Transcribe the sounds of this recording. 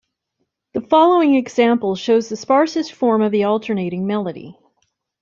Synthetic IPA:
ðəfɑlˠoʊɪ̃ŋɨɡz̥æ̃mpl̩ˠʃoʊzðɨspɑɹsɨstfɔɹmʌvðiɔlˠtʰə˞neɪɾɪ̃ŋmɛlˠəɾḭ

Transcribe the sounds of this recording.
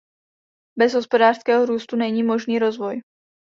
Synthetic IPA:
bɛzɦospo̞daːr̥skɛːɦoɾuːst̪unɛɲiːmo̞ʒniːɾo̞zvo̞j

